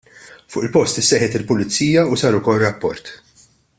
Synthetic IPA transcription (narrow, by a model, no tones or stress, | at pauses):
fʊ̰ːʔɪlpɔst̪ɪsːɛːħɛt̪ɪlpʊlɪt͡sːiːjɐusɐːɾʊkɔlrɐpːɔɾt̪